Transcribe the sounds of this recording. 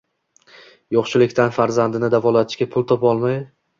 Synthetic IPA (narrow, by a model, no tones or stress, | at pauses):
jɒχʃɪlɪkʲt̪ʰanfaɾzand̪ɪnɪd̪avɒlat̪ʰɪʃkʲapʰʊlˠt̪ʰɒpɒlˠmaj